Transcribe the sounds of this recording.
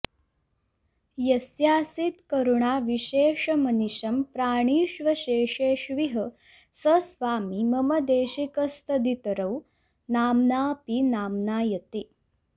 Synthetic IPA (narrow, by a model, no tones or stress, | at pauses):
jɐsjaːsit̪kɐɾuɳaːʋiɕeːʂɐmɐniɕɐmpɾaːɳ̃iːʃʋɐɕeːʂeːʃʋiɦə | sɐsʋaːmimɐmɐd̪eːɕikɐst̪ɐd̪it̪ɐɾɐw | naːmnaːpinaːmnaːjɐt̪eː